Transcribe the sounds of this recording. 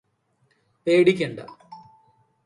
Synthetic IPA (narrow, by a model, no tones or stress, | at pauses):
peːɽikʲːeɳɖɐ̰